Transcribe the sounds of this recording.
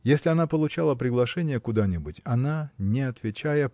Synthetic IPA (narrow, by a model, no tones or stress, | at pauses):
jesʲlʲɪɐnapəlˠʊt͡ɕalˠəpɾʲɪɡlˠɐʂɛnʲɪjəkʊd̪anʲɪbʊtʲɐnanʲɪɐt̪vʲɪt͡ɕajə